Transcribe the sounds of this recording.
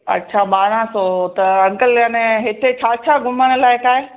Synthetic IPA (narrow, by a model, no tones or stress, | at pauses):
ɐ̰tːʃʰaɓaːɾãsot̪ɐɐŋɡəljanẽɦɪt̪ʰet͡ɕʰat͡ɕʰaɡʱʊməɽ̃ə̆laːɪkaːɦe